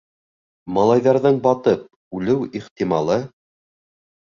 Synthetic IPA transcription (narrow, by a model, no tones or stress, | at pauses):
mɑlˠɑjðɑɾðɤɴbɑt̪ɤp̚ | ʉlɘwiχt̪imɑlˠɤ